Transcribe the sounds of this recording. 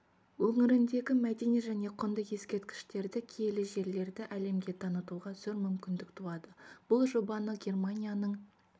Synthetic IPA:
wɵŋɪɾɪnd̪e̞ɡʲɪmæd̪e̞neʒæne̞qʰʊnd̪əqje̞skʲe̞ɾt̪̚kʲɪ̥ʃt̪e̞ɾd̪ɪkʲʰelɪʒe̞ɾle̞ɾd̪ɪʔæle̞mɡʲe̞t̪ʰɑnət̪uʁɑzɵɾmʏmkʲɪnd̪ɪkt̪ʰuɑd̪əb̥ʊlˠʒo̞bɑnəɡʲe̞rmanʲijanəɴ

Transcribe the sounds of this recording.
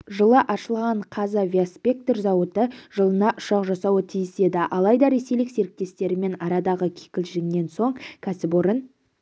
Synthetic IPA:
ʒəlˠəʔɑʃəlˠʁɑɴqʰɑzəvʲiaspʲe̞k̚t̪rzɑwət̪əʒəlˠənɑʔʊʃɑqʒɑsɑwət̪ʰijɪse̞d̪ɪʔɑlˠɑjd̪ɑɾe̞se̞jlɪkse̞ɾɪk̚t̪e̞st̪e̞ɾɪme̞nɑɾɑd̪ɑʁəkʲʰe̥kʲɪlʒɪŋne̞nso̞ɴkʲʰæsɪpoɾən

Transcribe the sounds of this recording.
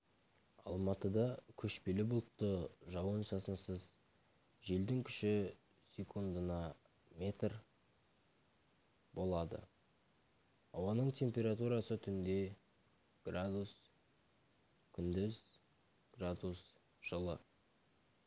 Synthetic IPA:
ɑ̰lˠmɑt̪əd̪ɑkʲʰɵʃpe̞lɪbʊlˠt̪ːəʒɑwənsɑsənsəz | ʒe̞ld̪ɪŋkʲʰʏ̥ʃɪ | sʲe̞kʰund̪ənɑ | me̞t̪r | bo̞lˠɑd̪ə̰ | ɑwɑnəɴt̪ʲʰe̞mpʲe̞ɾat̪uɾɑsət̪ʰʏnd̪e̞ | ɡ̥rad̪us | kʲʰʏnd̪ɪz | ɡ̥rad̪us | ʒ̥əlˠə

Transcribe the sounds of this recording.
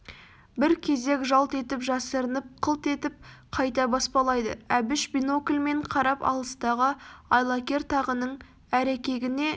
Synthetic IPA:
bɪɾkʲʰe̞ze̞kʒɑlˠt̪e̞t̪ɪpʒɑsəɾənəp̚qʰəlˠt̪e̞t̪ɪp̚qʰɑjt̪ɑbɑspɑlˠɑjd̪əæbɪʃbino̞kʲlʲme̞ɴqʰɑɾɑpɑ̰lˠəst̪ɑʁəɑjlˠɑkʲe̞ɾt̪ʰɑʁənəɴ | æɾekʲe̞ɡʲɪne̞

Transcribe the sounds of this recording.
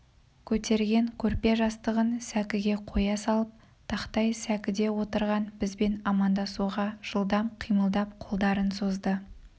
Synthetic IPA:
kʲʰɵt̪e̞ɾɡʲe̞ŋkʲʰɵɾpe̞ʒɑst̪əʁənsækʲɪɡʲe̞qʰo̞jɑsɑlˠəp̚ | t̪ʰɑqt̪ɑjsækʲɪd̪e̞wo̞t̪əɾʁɑnbɪzbe̞nɑmɑnd̪ɑsuʁɑʒ̥əlˠd̪ɑmqʰijməlˠd̪ɑpqʰo̞lˠd̪ɑɾənso̞zd̪ə

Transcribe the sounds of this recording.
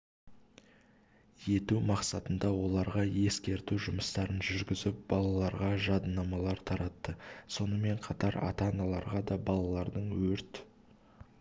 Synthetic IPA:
je̞t̪umɑqsɑt̪ənd̪ɑwo̞lˠɑɾʁɑje̞skʲe̞ɾt̪uʒʊməst̪ɑɾənʒʏɾɡʲɪzɪp̚bɑlˠɑlˠɑɾʁɑʒɑd̪ənːɑmɑlˠɑɾt̪ʰɑɾɑt̪ːəso̞nəme̞ɴqʰɑt̪ɑɾɑ̰t̪ɑnɑlˠɑɾʁɑd̪ɑbɑlˠɑlˠɑɾd̪əɴwɵɾt̪

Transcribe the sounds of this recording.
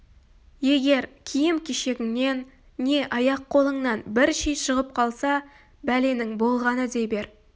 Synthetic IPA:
je̞ɡʲe̞ɾkʲʰijɪmkʲʰeʃe̞ɡʲɪŋne̞nː | e̞ʔɑjɑqːʰo̞lˠəɴnɑnbɪɾʃijʃəʁəp̚qʰɑlˠsɑ | bæle̞nɪŋbo̞lˠʁɑnəd̪e̞jbe̞ɾ

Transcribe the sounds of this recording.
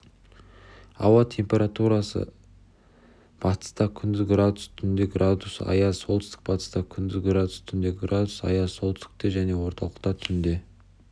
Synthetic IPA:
ɑ̰wɑt̪ʲʰe̞mpʲe̞ɾat̪uɾɑsə̰ | b̥ɑt̪ə̥st̪ɑkʲʰʏnd̪ɪɡrad̪ust̪ʰʏnd̪eɡrad̪usɑ̰jɑso̞lˠt̪ʏst̪ɪk̚bɑt̪ə̥st̪ɑkʲʰʏnd̪ɪzɡɾad̪ust̪ʰʏnd̪e̞ɡrad̪usɑ̰jɑsolˠt̪ʰʏst̪ɪ̥k̚t̪e̞ʒæne̞wo̞ɾt̪ɑlˠəq̚t̪ɑt̪ʰʏnd̪e̞

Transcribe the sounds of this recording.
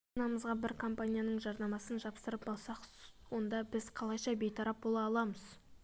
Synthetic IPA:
nɑməzʁɑbɪɾkʰo̞mpanʲijanəɴʒɑɾnɑmɑsənʒɑpsəɾəp̚bɑlˠsɑqwo̞nd̪ɑbɪzqʰɑlˠɑjʃɑbe̞jt̪ʰɑɾɑp̚bo̞lˠɑːlˠɑməz

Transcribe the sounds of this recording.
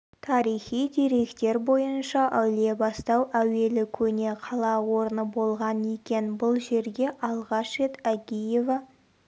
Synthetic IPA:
t̪ʰɑɾijχijd̪e̞ɾe̞kt̪e̞ɾbo̞jənʃɑʔæwle̞bɑst̪ɑwʔæwe̞lɪkʲʰɵne̞qʰɑlˠɑwo̞ɾənəbo̞lˠʁɑnekʲe̞nbʊlˠʒe̞ɾɡʲe̞ʔɑlˠʁɑʃe̞t̪æɡʲije̞va

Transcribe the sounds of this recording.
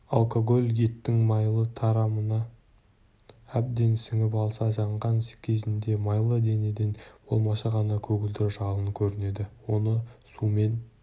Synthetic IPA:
ɑ̰lˠkoɡo̞lʲɡʲit̪ːɪŋmɑjlˠət̪ʰɑɾɑmənɑ | æb̚d̪e̞nsɪŋɪp̬ɑlˠsɑʒɑɴʁɑnskʲʰe̞zɪnd̪e̞mɑjlˠəd̪e̞ne̞d̪enb̥o̞̰lˠmɑʃɑʁɑnɑkʲʰɵɡʲɪld̪ɪɾʒɑlˠəŋkʲʰɵɾɪne̞d̪ɪwo̞nəsume̞n

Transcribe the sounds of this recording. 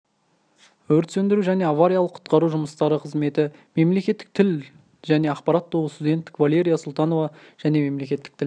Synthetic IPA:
wɵɾt̪sɵnd̪ɪɾuʒæne̞avaɾijalˠəqʰʊ̥t̪qɑɾuʒʊməst̪ɑɾəqʰəzme̞t̪ɪme̞mle̞kʲe̞t̪ːɪk̚t̪ʰɪl | ʒæne̞ɑqpɑɾɑt̪̚ːowəst̪ud̪ʲe̞nt̪ːɪ̥kvalʲe̞ɾʲijasʊlˠt̪ɑno̞vɑʒ̥æne̞me̞mle̞kʲe̞t̪ːɪk̚t̪ʰɪl

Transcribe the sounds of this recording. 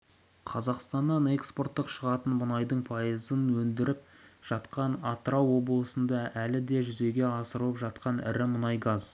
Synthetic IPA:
qʰɑzɑqst̪ɑnːɑne̞kspo̞rt̪ːəqʃəʁɑt̪ənmʊnɑjd̪əɴpʰɑjəzənwɵnd̪ɪɾɪp̚ʒ̥ɑt̪qɑnɑt̪əɾɑwːo̞blˠəsənd̪ɑʔælɪd̪e̞ʒʏze̞ɡʲe̞ɑsəɾəlˠəpʒɑt̪̚qɑnɪ̰ɾɪmʊnɑjɡɑz̥

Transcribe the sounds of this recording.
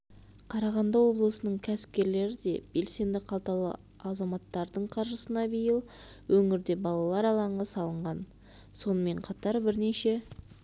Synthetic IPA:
qʰɑɾɑʁɑnd̪ɑwo̞blˠəsənəɴkʲʰæsɪ̥p̚kʲe̞ɾle̞ɾɪd̪e̞b̥e̞lse̞nd̪ɪqʰɑlˠt̪ɑlˠə̰ | ɑzɑmɑt̪ːɑɾd̪əɴqʰɑɾʒəsənɑbijəlˠwɵŋɪɾd̪e̞bɑlˠɑlˠɑɾɑlˠɑɴʁɑsɑlˠəɴʁɑn | so̞nəme̞ɴqʰɑt̪ɑɾbɪɾneʃe̞

